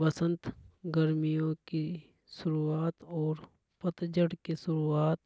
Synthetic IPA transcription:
bɐsə̃nt̪ɡəɾmijõki | ʃʊɾuaːt̪ɔːɾ | pɐt̪d͡ʒəɽkisʊɾuaːt̪

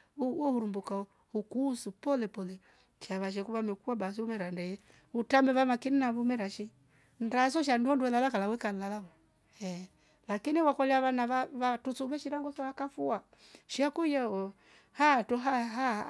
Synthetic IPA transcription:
uwɔhuɾumbuka | hukusupɔlɛpɔlɛ | ʃaβaʃ̬ɛkuβamɛkuabas̬iumɛɾandɛjɛ | utamɛβamakininaβumɛɾaʃi | ndas̬ɔʃ̬anduɔnduwɛlalakalawɛkalalawɔ | ɛ | lakiniwakɔlɛaβanaβaβatut͡suβɛʃiɾaŋɡɔsɔakafua | ʃiakujaɔ | hatɔɦaɦa

